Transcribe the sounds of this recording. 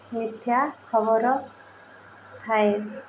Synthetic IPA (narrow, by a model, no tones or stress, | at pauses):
mit̪ʰjakʰɔbɔɾɔ | t̪ʰae